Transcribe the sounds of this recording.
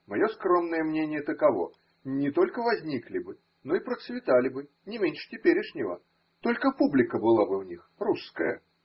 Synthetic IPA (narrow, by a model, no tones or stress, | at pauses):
mɐjo̞skɾo̞mnəjəmnʲenʲɪjət̪əkɐvo̞̰ | nʲɪt̪o̞lʲkəvɐzʲnʲiklʲɪbɨ | no̞ipɾət̪svʲɪt̪alʲɪbɨ | nʲɪmʲenʲʂɨ̥tʲɪpʲeɾʲɪʂnʲɪvə̰ | t̪o̞lʲkəpublʲɪkəbɨlˠabɨvnʲixruskə̰jə̰